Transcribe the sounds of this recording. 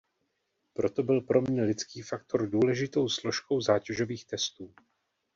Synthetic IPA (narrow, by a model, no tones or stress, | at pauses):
pɾo̞t̪o̞bɪlpɾo̞mɲɛlɪt͡skiːfak̚t̪o̞ɾduːlɛʒɪt̪o̞wslo̞ʃkowzaːcɛʒo̞viːxt̪ɛst̪uː